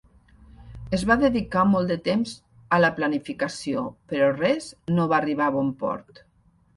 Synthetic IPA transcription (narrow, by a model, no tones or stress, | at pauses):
ezβaðeðikamɔlˠd̪ət̪emz | ələplanifikasiopəɾɔrɛznoβaːriβ̞aβɔmpɔ̰ɾt̪